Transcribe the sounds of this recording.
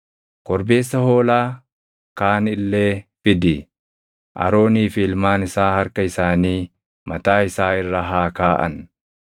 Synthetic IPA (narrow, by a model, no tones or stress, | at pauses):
kɔɾbe̞ːsːɐho̞ːlaː | kaːnɪlːe̞ːfɪd̪ɪ | ʔɐ̰ɾo̞ːniːfɪɪlmaːnɪsaːhɐɾkɐɪsaːniː | mɐt̪aːɪsaːɪrːɐɦaːkaːʔɐ̰n